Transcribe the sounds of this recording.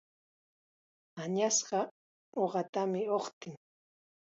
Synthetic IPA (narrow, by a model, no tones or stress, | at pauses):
aɲasɢɑ | oɢɑt̪amɪoχt̪ɪŋ